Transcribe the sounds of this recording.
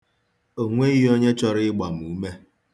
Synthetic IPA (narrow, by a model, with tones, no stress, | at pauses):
o˨ŋʷe˦i˦ji˦o˦ɲe˦t͡ʃɔ˦ɾɪ˦ɪ˦ɡ͡ba˨m̩˨u˨˦me˦